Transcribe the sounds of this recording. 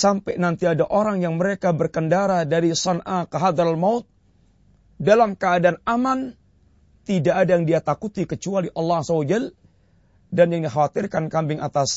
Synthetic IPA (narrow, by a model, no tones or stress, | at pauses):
sampɛnant̪iadaʔoɾaŋjaŋməɾekabərkəndaɾadaɾisɔnʔakəɦad̪ɾalmaʊt̪̚ | dalamkəːdaːnaman | t̪idaʔːdajaŋdiat̪akut̪ikət͡ʃualiʔɑlːɑazawad͡ʒɛl | danjaŋdixawat̪ɪrkankambɪŋat̪as